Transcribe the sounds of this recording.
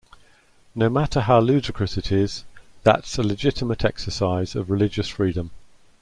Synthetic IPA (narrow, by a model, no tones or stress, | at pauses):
nəʊmatʰəɦaʊlʉːdɪkʰɹ̥əsɪtʰɪz̥ðə̰tsəlɪd͡ʒɪtʰɪmətʰɛ̰ksəsaɪz̥ə̰vɹɪlɪd͡ʒəsfɹiːdə̃m